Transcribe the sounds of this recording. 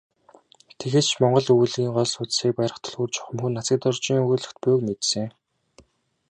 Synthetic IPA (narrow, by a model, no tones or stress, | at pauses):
t̪ʰexeːt͡ɕʰmɔɴɢɞ̆ɮujɮiːŋɢɔɮsʊt͡ssiːk̚pæjɾə̆χt̪ʰɔ̥ɮxuːrt͡ɕɔ̥χə̆mxunːat͡sə̆t̪ɔrt͡ɕiŋuɮɵ̆xt̪pʊkmet̪sɘ̆ŋ